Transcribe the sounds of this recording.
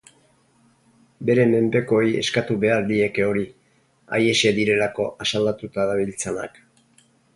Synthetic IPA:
be̞ɾe̞me̞mpe̞ko̞je̞̰skat̪uβe̞aɾd̪ie̞keo̞ɾi | a̰je̞se̞ðiɾe̞lako̞ʔasald̪at̪ut̪aðaβilt͡sana̰k

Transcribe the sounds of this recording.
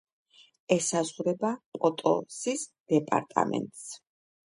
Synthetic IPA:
ɛsazʁɾɛbapʼɔt̪ʼɔ̰sisd̪̥ɛpʼa̰ɾt̪ʼa̰mɛ̰nt̪ʼs

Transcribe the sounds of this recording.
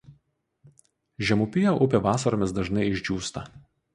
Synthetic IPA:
ʒʲɛmʊpʲɪjoːʔʊpʲeːʋɑːsɐɾoːmʲɪsd̪ɐʒnɐɪɪʒʲd͡ʒʲuːst̪ɐ

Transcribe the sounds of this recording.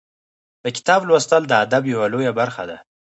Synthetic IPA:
d̪̥əkʲɪ̥t̪ɑblwast̪əld̪əad̪abjawalojabaɾxa̰d̪a

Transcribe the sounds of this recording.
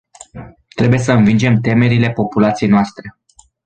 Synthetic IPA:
t̪ɾe̞buje̞səɨnvind͡ʒe̞mt̪e̞me̞ɾile̞po̞pulat̪sije̞jnoast̪ɾe̞

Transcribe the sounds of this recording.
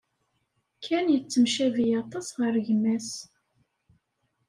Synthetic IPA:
kʰːænjət͡sːəmʃævijɑt̪ˤɑsʁəɾʝəmːæs

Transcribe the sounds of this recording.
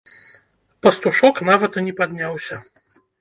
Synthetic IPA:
pɐst̪uʂɔknavɐt̪ɐnʲɛpad̪ʲnʲawsʲɐ

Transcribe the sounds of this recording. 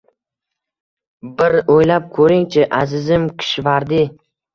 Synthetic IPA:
bɪɾojlap̚kʰɵɾɪŋt͡ʃʰɪʔazɪzɪmkʲʰɪ̥ʃvaɾd̪ɪ

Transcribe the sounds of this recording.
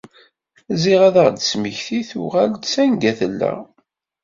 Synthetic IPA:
ziʁæðəʁd̪əsməçθiθuʁæld̪sænɡæθəlːæ̰

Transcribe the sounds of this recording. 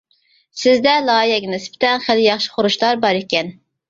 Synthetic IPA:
sɪzd̪ɛlˠɑːjɛɡʲinɨspɪ̥t̪ɛnχæljɑχʃi̥χoɾuʃt̪ˠɑɾbɑɾekʲɛn

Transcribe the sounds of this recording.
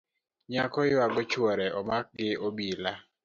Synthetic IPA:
ɲakɔjwaɡɔt͡ʃwɔɾɛɔmak̚ɡɪobila

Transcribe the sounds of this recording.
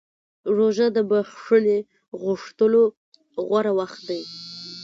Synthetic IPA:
ɾoʒad̪əbaxʂəle | ɣʊʂt̪əlo | ɣwaɾawaxt̪̚d̪aj

